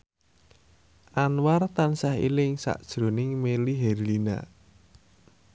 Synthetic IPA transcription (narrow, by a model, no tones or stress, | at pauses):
ʔanwart̪ansahḭlɪŋsa̰ʔd̥ʒ̥ɾo̤nɪŋmeliɦɛrlina̰